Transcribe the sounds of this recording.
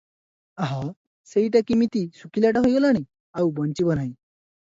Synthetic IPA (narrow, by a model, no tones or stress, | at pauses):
aɦa | seiʈakimit̪isukiljaʈ̬aɦojɡɔlaɽ̃i | aubənt͡ɕibənai